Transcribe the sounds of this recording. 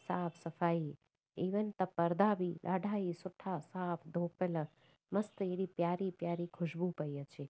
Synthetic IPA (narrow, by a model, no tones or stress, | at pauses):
saːpʰsɐfaːi | iʋənt̪ɐpːəɾd̪ʱaːbilʔaːɖʱaːisʊʈʰːasaːpʰd̪ʱoːpelə | mɐst̪əeɽipjaːɾipjaːɾikʰʊʃbũpəjət͡ʃʰe